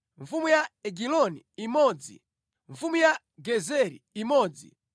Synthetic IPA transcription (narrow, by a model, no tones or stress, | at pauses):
ɱfumujaɛɡilɔniimɔːd͡zḭ | ɱfumuja | ɡɛzɛɾḭːmɔːd͡zḭ